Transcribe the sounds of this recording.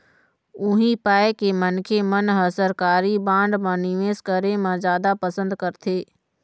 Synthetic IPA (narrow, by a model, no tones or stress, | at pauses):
ʊɦĩpaːekemənkʰemənɦəsəɾkaːɾibãːɳɖmãnɪʋeːskəɾemãzjaːd̪apəsə̃nd̪kəɾt̪ʰeː